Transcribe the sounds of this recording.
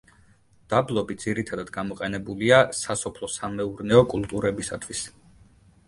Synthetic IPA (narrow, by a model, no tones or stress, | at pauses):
d̪̥ablˠɔbid̪z̥iɾit̪ʰad̪ad̪ɡamɔqʼɛnɛbuliasasɔpʰlˠɔsamɛuɾnɛɔkʼulˠt̪ʼuɾɛbisa̰t̪ʰwis